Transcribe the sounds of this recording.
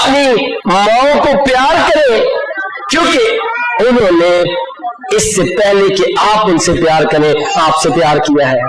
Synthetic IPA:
nimaːõkopjaːɾkɐɾẽ | kjõːkeʊnɦõːne | ɪsːepɛɦlekeaːpʊ̃nsepjaːɾkɐɾẽaːpsepjaːɾkijaɦɛː

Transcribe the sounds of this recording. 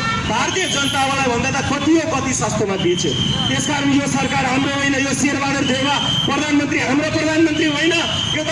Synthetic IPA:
bʱaɾt̪ijəd͡zʌnt̪aõlajbʱʌnd̪at̪akʰoʈ̪iekʌt̪iswast̪ʰjemad̪it͡ʃʰe | t̪eskaɾənjosʌɾkaɾɦamɾoɦojnʌjosieɾbad̪ʌɾd̪ʱeba | pɾəd̪ʱanmənt̪ɾiɦamɾopɾʌd̪ʱanmʌnt̪ɾiɦojnʌ | jot̪

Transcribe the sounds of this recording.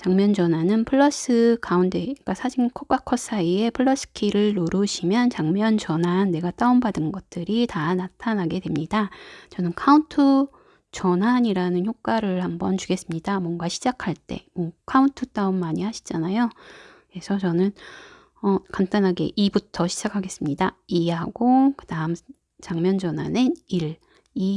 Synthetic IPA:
t͡ɕaŋmjʌnd͡ʑʌnanɯnpʰɯɭːʌs͈ɯkaunde̞k͈asʰad͡ʑinkʰok͈akʰʌs͈ʰaie̞pʰɯɭːʌs͈ʰɯ̥kʰiɾɯɭːoɾuɕʰimjʌnt͡ɕaŋmjʌnt͡ɕʌnɦanːe̞ɡat͈aumbadɯnɡʌt̚t͈ɯɾitanatʰanɦaɡe̞dwe̞mɲidat͡ɕʌnɯnkʰauntʰɯ | t͡ɕʌnɦaɲiɾanɯnçjok͈̚aɾɯɭhambʌnt͡ɕuɡe̞s͈ɯmɲidamwʌnɡaɕʰid͡ʑakʰaɭt͈e̞̰mwʌkʰauntʰɯt͈aumːaɲihaɕʰi̥d͡ʑanajoke̞sʰʌt͡ɕʌnɯn | ʌkant͈anɦaɡe̞̰ʔibutʰʌɕʰi̥d͡ʑakʰaɡe̞s͈ɯmɲidaiɦaɡokɯdaɯm | t͡ɕaŋmjʌnd͡ʑʌnɦaneniɭ | i

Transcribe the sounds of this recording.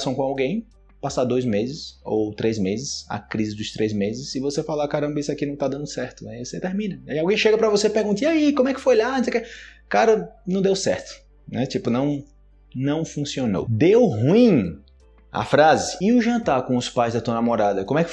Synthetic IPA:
sɐ̃w̃kõawɡẽj̃ | pasad̪ojzmezɪso̰wt̪ɾezmezɪsɐ̰kɾizɪd̪ʊst̪ɾʔezmezɪsɪvosefalakaɾɐ̃mbɐisɪakinɐ̃w̃t̪ad̪ɐ̃nd̪ʊsɛɾt̪ʊnɛvoset̪eɾmĩnɐaiawɡẽj̃ʃeɡɐpɾɐvosepeɾɡũnt̪iaikomʊɛkɪ̥fojaʎanõseke | kaɾɐnɐ̃d̪ewsɛ̰ɾt̪ʊ̥ | nɛt͡ʃipʊnɐ̃w̃ | nɐ̃w̃fũsiono̰wd̪ewɦuĩ | a̰fɾazɪɪʊʒɐ̃nt̪aɾkõʊspajzd̪ɐt̪uɐnamɔɾad̪ɐkõmʊ̃ɛkɪ

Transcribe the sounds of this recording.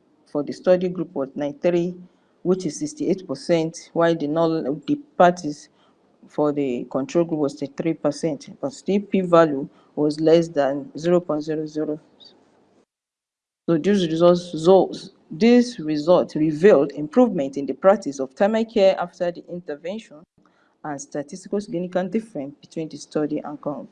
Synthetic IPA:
fɔðəstɔdiɡɹupʰwɔtnãɪ̃nθɹi | wit͡ʃiz̥sikstietpəsɛ̃ntwaɪdinɔdipatʰis | fɔðəkʰɔ̃ntʰɹolˠɡɹupwɔstɛtθɹipəsɛ̃ntb̥ɔtstipivalju | wɔzlɛsðãnziɹopɔ̃ɪ̃ntziɹoziɹo | sodisɹizɔtzos | disɹizɔltɹivildĩmpʰɹuvmɛ̃ntĩndəpɹak̚tʰisɔv̥tʰãɪmakʰɛʔaftədiʔĩntəvɛ̃nʃɔ̃n | ãnstatʰistikasiɡĩnikãndifɹɛ̃nsb̥itʰwĩndəstɔdiʔã̰nkãʊ̃nt

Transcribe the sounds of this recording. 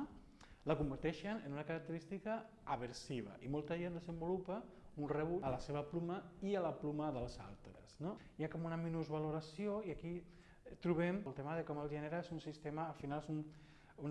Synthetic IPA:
lɐkumbəɾt̪ɛʃənənunɐkaɾak̚t̪əɾist̪ikɐː | βəɾsiβ̞ɐ̰ʔimɔlˠt̪ɐʒend̪əzəmbulupɐ | unrəβuəlɐseβɐplumɐiəlɐplumɐðəlˠza̰lˠt̪ɾə̰zno | jakɔmunɐminuzβaluɾasioiaki | t̪ɾuβ̞ɛməlˠt̪eməðəkɔməlˠʒeneɾaezunsist̪emɐːfinalesun | un

